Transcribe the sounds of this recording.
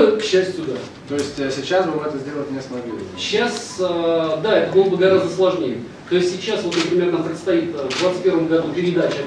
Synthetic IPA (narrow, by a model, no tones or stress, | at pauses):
kɕːæsʲtʲjʊd̪a | t̪oɪsʲtʲəsʲɪt͡ɕasvɐmɛt̪əzʲdʲelˠət̚ʲnʲest̪bʲidʲɪɕːasəd̪aɛt̪əɡolˠəbəɡɐɾazd̪əslˠɐʐnʲejɪ | t̪oɪstʲːɪt͡ɕːasvo̞t̪nəpɾʲɪmʲe̞rkɐnt̪ɾakt̪st̪ɐit̪ːvd̪vat̪stʲpʲevəmɡɐd̪upʲɪɾʲɪd̪at͡ɕɪ